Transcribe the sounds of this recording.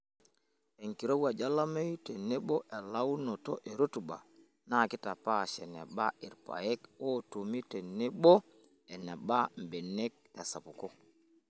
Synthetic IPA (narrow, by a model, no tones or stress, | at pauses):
eŋkiɾowad͡ʒalamejtɛneɓɔʔɛlawnɔtɔʔɛɾotuɓa̰ | nakitapaʃɛnɛ̰ɓaiɾpa̰jɛkɔtomitɛnɛɓɔ | ɛnɛbambɛnːɛk̚tasapukɔ